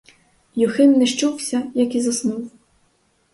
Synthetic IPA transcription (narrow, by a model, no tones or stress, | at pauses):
juxɪnːɛʂt͡ʃuwsʲɐjɐkizɐsnuw